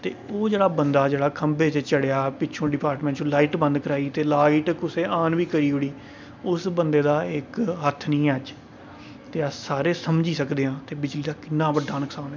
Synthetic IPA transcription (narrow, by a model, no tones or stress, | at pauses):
t̪ḛːoːd͡ʒeːɽaːbənd̪aːd͡ʒeːɽaːkʰəmbeːt͡ʃt͡ʃəɽejaːpɪːt͡ʃʰõːɖɪpaːɾʈmɛ̃ːɳʈt͡ʃːlaːiːʈbə̃nd̪kəɾaːiːt̪eːlaːiʈkʊseːʔaːnʋiːkəɾiːɦoːiː | ʊsbənd̪eːd̪aːɪkɦət̪ʰːnĩːɛːd͡ʒ | t̪eːəsaːɾeːsəmd͡ʒiːsəkd̪eːãːt̪eːbɪd͡ʒliːd̪aːkɪnːãːbəɖːaːnəksaːnː